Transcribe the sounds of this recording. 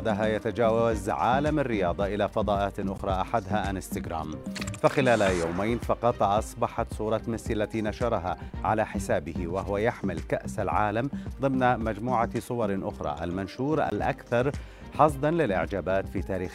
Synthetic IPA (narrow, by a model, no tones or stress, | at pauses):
d̪aɦajat̪ad͡ʒaːwazʕaːlamarːɪjɑːd̪ˤɑʔɪlaːfɑd̪ˤɑːʔaːt̪ʔʊxɾˤɑːʔaħad̪ɦaʔanɪst̪ɪɡɾa̰ːmfaxɪlaːlajawmajnfɑqɑt̪ˤʔɑsˤbɑħɑt̪sˤuːɾˤɑmɪsalːat̪iːnaʃɑɾˤɑɦaːʕa̰laːħɪsaːbɪhɪwaɦʊwajaħmɪlkaʔsalʕaːlamd̪ˤɨmnamad͡ʒmuːʕasˤʊwɑɾˤʔʊxɾˤɑ̰ːʔa̰lmanʃuːɾa̰lʔa̰kθɑɾˤ | ħɑs̬ˤd̪ɑnlɪlʔɪ̰ʕd͡ʒaːbaːt̪fiːt̪aːɾiːx